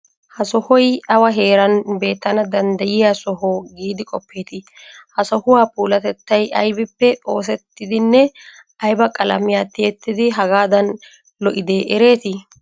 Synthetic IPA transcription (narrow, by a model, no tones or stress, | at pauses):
hɐsɔhɔjɐwɐɦe̞ːɾɐnbe̞ːt̪ːɐnɐd̪ɐnd̪ɐjɪjasɔɦoːɡiːd̪ɪkʼɔpʰːe̞ːt̪ɪ | hɐsɔhʊwaːpuːlɐt̪ɛt̪ːɐjʔɐjbɪpːɛo̞ːs̬ɛt̪ːɪd̪ɪnːɛ | ɐjbɐkʼɐlɐ̰mɪjaːt̪ːɪjɛt̪ːɪd̪ɪɦɐɡaːd̪ɐn | lɔʔɪd̪eːʔɛɾe̞ːt̪ɪ